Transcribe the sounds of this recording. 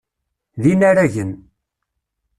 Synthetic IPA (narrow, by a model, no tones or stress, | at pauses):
ðinaɾæʝən